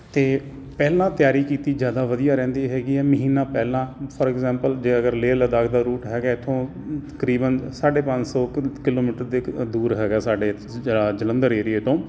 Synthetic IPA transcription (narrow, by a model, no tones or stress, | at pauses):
t̪eː | pɛːlãːt̪ɪjaːɾiːkiːt̪iːd͡ʒjaːd̪aːʋəd̪ijaːɾɛ̃ːnd̪iːɦɛːɡiːɦɛːməɦiːnaːpɛːlãːpʰɔɾɛkzɛ̃ːmpəld͡ʒeːəɡəɾleːləd̪aːkʰd̪aːɾuːʈɦɛːɡaːɪt̪ʰːõː | t̪ə̥kɾiːbənsaːɖeːpə̃ɲd͡ʒsɔːkɪloːmiːʈəɾd̪ed̪uːɾɦɛːɡaːsaːɖeː | ɽaːd͡ʒələ̃nd̪əɾeːɾijeːt̪õː